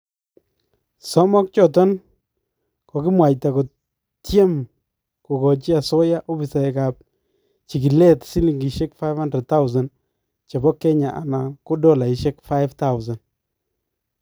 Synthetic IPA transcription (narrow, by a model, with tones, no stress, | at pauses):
sɔ˦mɔ˦k̚t͡ʃɔ˨tɔ˦n | kɔ˨kɪ˦mwa˨jta˨ko˨ | tje˦m | ko˨kɔ˨t͡ʃi˦a˨sɔ˦ja˦ʔo˦bi˨sa˨ɛ˨ka˨p̚ | t͡ʃi˨ki˨lɛ˦tsi˦li˨ŋɡi˨ʃe˦kfa˦jfha˦ndɾɛ˨d̚t̪a˦wza˨n | t͡ʃe˨bɔ˦kːɛ˦ɲa˨ʔa̰˨na˨ko˦dɔ˦˨la˨i˨ʃe˦kfa˦ɪfta˦wʊza˨n